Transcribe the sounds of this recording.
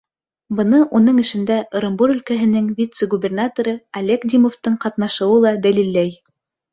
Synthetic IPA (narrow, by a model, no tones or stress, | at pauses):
bɤ̆nɤʔunɤɴɘ̆ʃɘ̆nd̪æʔoɾŏmbuɾɵ̆lkæɦɘ̆nɘŋvʲit̪səɡubʲernat̪oɾɤɐlʲekd̪ʲimoft̪ɤɴqɑt̪nɑʃɤ̆wɤlˠɑd̪ælilːæj